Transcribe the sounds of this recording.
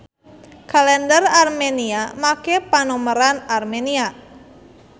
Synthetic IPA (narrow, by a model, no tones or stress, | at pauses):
kalɛndərarmeniamakepanoməɾanarmenia